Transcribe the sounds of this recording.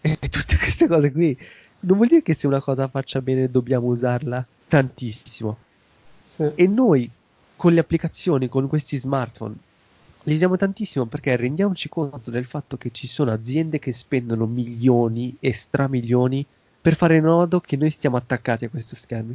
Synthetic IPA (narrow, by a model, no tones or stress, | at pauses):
ɛt̪ːut̪ːe̥kwest̪ekɔːzekwi | nõnvwɔld̪iːɾekesːeunakɔːzafat͡ʃːabɛːned̪obːjaːmouzarla | t̪ant̪isːimo | enːoj | konleapːlikat̪sːjoːnikoŋkwest̪izmart̪fo̰n | liuzjaːmot̪ant̪isːimoperk̟erːend̪jaːmot͡ʃikont̪od̪elfat̪ːok̟et͡ʃːisoːnoad̪zːjɛnd̪ek̟es̬pɛnd̪onomiʎːoːniest̪ɾʔamiʎːoːni | perfaːɾenɔːd̪okʰenːojst̪jaːmoat̪ːakːaːt̪iakːwest̪oskɛrmi